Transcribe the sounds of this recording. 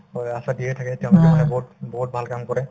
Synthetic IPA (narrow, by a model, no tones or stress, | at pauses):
jasadiɛtʰakɛtɛʊ̃lʊkɛmanɛbɔɦutbɔɦut̚bʱalkamkɔɹɛ